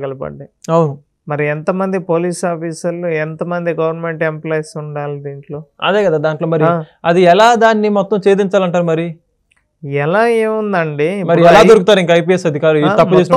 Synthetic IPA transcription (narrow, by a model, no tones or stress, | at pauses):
ɐlɐpɐ̰ɖːiɐwnu | mɐɾiɛnt̪ɐmɐnd̪ipoːliːsaːpʰiːsɐlːuɛnt̪ɐmɐnd̪iɡɐʋɐɾnme̞ɳʈemplaːjsuɳɖaːlid̪iːɳʈlo̞ːɐ̰d̪eːkɐd̪aːd̪aːɳʈlo̞ːmɐɾiɐd̪iɛlaːd̪aːnːimɔt̪ːɐmt͡ʃe̞ːd̪iɲt͡ʃaːlɐɳʈaːɾumɐɾi | ɛlaːeːund̪ɐɳɖimɐɾiɛlaːd̪oɾukut̪aːɾiŋkɐɐjp̬iːesɐd̪ʱikaːɾuit̪ɐpːut͡ʃːeːsɐ